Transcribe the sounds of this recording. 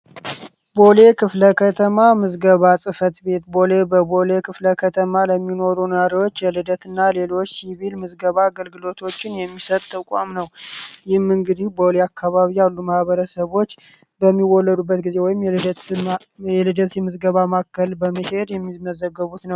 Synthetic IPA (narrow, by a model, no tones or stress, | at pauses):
bo̞le̞kʰɨfləkʰət̪ʰəmamɨzɡəβasʼɨfət̪be̞t̪bolebəbo̞lekʰɨfləkʰət̪ʰəmaləmːino̞ɾunaɾiwot͡ʃːjɛlɨd̪ət̪ʰɨnːale̞lo̞t͡ʃːsiβilmɨzɡəβaːɡəlɡɨlo̞t̪ʰo̞t͡ʃːɪnjɛmːisət̪ʼt̪ʰːəkʷʼa̰mnəwjɪhmːɨŋɡɨd̪ihbo̞leakʰːaβaβijalːumahβəɾəsəβo̞t͡ʃː | bəmːiwɔlːəd̪ubːət̪ɡize̞wɔjɪmj | ɛlɨd̪əsjɛmɨzɡəβamakːəlbəməhe̞d̪jɛmːiməzəɡːəβut̪nəw